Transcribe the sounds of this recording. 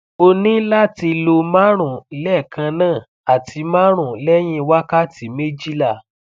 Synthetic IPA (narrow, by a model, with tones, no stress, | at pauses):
o˧nĩ˦la˦ti˧lo˧ma˦ɾ̃ũ˦˨lɛ˦˨kʰã˧nãː˦˨ | a˨tʰi˨˧˦mã˦ɾ̃ũ˨lɛ˦j̃ĩ˦˧wa˦ka˦ti˨˦mẽ˦d͡ʒi˦la˦˨